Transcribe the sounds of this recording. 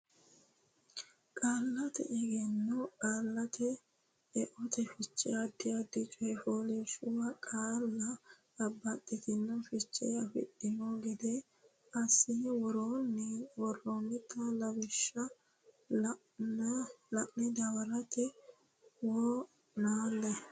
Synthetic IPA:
kʼaːlːɐt̪ɛ̰ʔɛɡɛnːɔkʼaːlːɐt̪ɛ | ɛʔɔt̪ɛfɪt͡ʃʼːɪjɐd̪ɪjɐd̪ɪt͡ʃʼɔjfoːlɛʃʊwɐkʼaːlːɐː | bːɐt̪ʼːɪt̪ɪnːɐfɪt͡ʃʼːɛ̰jɐfɪ̰tːɪmɔɡɪd̪ɛ | ɐsːɪwɔɾoːnːɪwɔrːonːɪt̪ːɐlɐbɪʃːɐ | lɐʔnɪd̪ɐwɐɾɐt̪ɪ | woː | naːlːɛ

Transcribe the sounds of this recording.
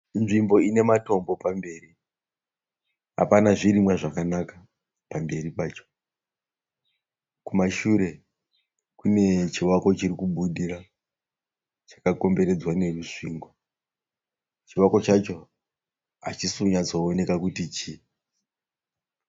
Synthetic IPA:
nʐimbo̞ine̞mato̞mbo̞pambe̞ːri | ɦa̰panaʐirimwaʐakanakḁ | pambe̞ɾipaːt͡ʃo̥ | kumaʃuɾe̞ | kune̞t͡ʃiwako̞t͡ʃirikuɓuɗira | t͡ʃḁkako̞mbe̞ɾe̞d͡zwane̞ruʂiŋɡwa | t͡ʃiwako̞t͡ʃat͡ʃo̞ | a̰t͡ʃisuɲad͡zoːne̞kakutit͡ʃi

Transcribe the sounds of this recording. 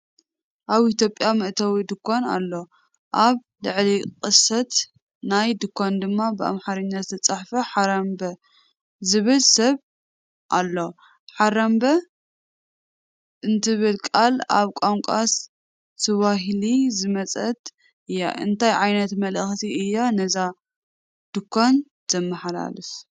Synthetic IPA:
ʔaβit̪jo̞pʼːjamɨʔt̪ʰɐwid̪ɨkʰːona̰lːo̞ | ʔaβ | lɨʕliqʼɨsɐt̪ | najd̪ɨkʰːond̪ɨmːabɨa̰mħaɾɨɲːazɨt̪ʰɐt͡sʼaħfɐħaɾɐmbɐ | zɨβɨlsɐβ | ʔalːo̞ | ħaɾɐmbɐ | ʔɨnt̪ʰɨβɨlkʼala̰βkʷʼoŋkʷʼas | t̪ʰɨβaɦilizɨmɐt͡sʼɐt̪ʼ | ʔɨjːa̰ʔɨnt̪ʰajʕajnɐt̪mɐlɨxt̪ʰiɨjːanɐza | d̪̥ɨkʰːon | z̥ɐmːɐħala̰lɨs

